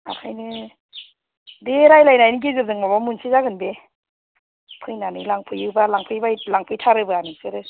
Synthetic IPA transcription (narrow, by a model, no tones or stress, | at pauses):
a̰kʰajnɯ | deɾajlajnajnɯɡizɯzɯŋmabamunsizaɡɯnbe | pʰɯjnanɯlaŋpʰɯjɯwbalaŋpʰɯjbajlaŋpʰɯjtʰaɾɯbɯanɯŋsɯɾɯ